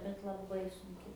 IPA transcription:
bʲɛt lˠɐˈbɐɪ sʊŋʲˈkʲɪ

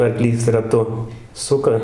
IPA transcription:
ɐrˈklʲiːs rɐˈtʊ ˈsʊkɐ

